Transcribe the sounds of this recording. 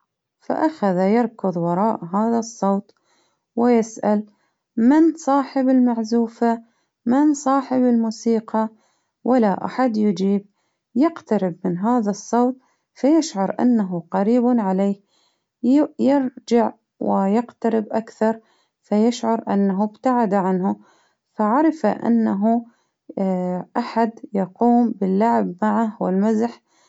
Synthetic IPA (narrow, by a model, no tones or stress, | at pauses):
fa̰ʔaxaðajɪɾˤkʊðˤwɑɾˤɑːʔɦaːðasˤːoːt̪ˤ | wɪjɪsʔal | mɪnsˤɑːħɪbɪlmaʕzuːfa | mɪnsˤɑːħɪbɪlmuːsiːqɑ | wʔɪlaʔa̰ħad̪jɪd͡ʒiːb̚ | jɪqt̪aɾɪbmɪnɦaːðasˤːoːt̪̚ˤ | fajɪʃʕʊɾˤʔa̰nːaɦʊqɑɾiːbnʕaleːh | jjɪɾd͡ʒaʕ | wɪjɪqt̪aɾɪbʔakθɑɾˤ | fajɪʃʕʊɾˤʔa̰nːaɦʊbt̪aʕad̪aʕanhʊ | faʕɑɾˤfaʔa̰nːaɦu | ʔaħad̪jɑquːmbɪlːaʕbmaʕahwɪlmazħ